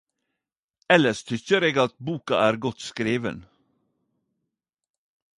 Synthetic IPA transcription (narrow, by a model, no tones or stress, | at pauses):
ɛləʃt̪ʰʏçəɾeːɡɑt̪̚buːkɑ̰ʔæːɾɡɔt̪skɾeːʋə̰n